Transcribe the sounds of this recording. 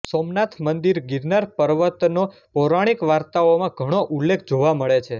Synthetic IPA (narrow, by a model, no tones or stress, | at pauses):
somnat̪ʰmənd̪iɾɡiɾnaɾpəɾʋət̪nopɔɾaɽ̃ikʋaɾt̪aomãɡʱəɽ̃oʔulːekʰd͡ʒoʋaməɭet͡ʃʰe